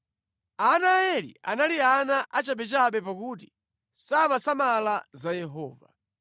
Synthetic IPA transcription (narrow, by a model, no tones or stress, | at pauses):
anaɛlḭa̰nalianaʔat͡ʃaɓɛt͡ʃaɓɛpakuti̥ | samasamalazajɛɦɔ̰ːva̰